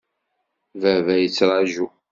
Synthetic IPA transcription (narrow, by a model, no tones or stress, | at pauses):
vævæjət͡sːɾˤɑʒu